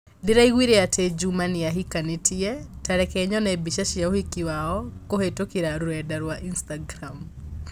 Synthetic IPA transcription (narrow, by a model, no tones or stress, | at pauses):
diɾaiwiɾeatʰed͡ʒumaniaɦikanitiɛtaɾɛkɛɲɔnɛbiʃaʃiaohikiwaɔkoɦetokiɾaɾuɛdaɾwaʔinstaɡɾam